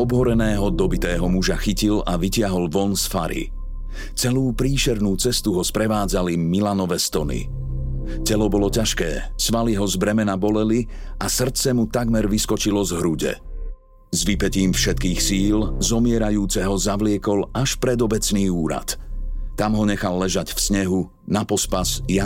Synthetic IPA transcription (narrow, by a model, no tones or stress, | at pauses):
ɔbɦɔɾɛnɛːɦɔd̪ɔbit̪ɛːɦɔmuʒaxicilaʋicɪaɦɔlʋɔnsfaɾḭ | t͡sɛluːpɾiːʃɛɾnuːt͡sɛst̪uɦɔspɾɛʋaːd͡zalimilanɔʋɛst̪ɔnḭ | cɛlɔbɔlɔcaʃkɛ̰ːsʋaliɦɔzbɾɛmɛnabɔlɛliasr̩t͡sɛmut̪aɡmɛɾʋiskɔt͡ʃilɔzɦɾuɟɛ̰ | zʋipɛciːmfʃɛt̪̚kiːxsiːlzɔmɪɛɾajuːt͡sɛɦɔzaʋlɪɛkɔlaʃpɾɛd̪ɔbɛt͡sniːuːɾa̰t̪ː | amɦɔɲɛxalːɛʒaɟfsɲɛɦu | napɔspasja